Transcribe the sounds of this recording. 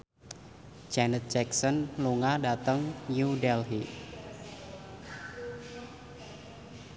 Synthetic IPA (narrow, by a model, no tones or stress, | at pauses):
d͡ʒanət̪̚d͡ʒɛksənluŋadat̪əŋjudɛlɦiʔ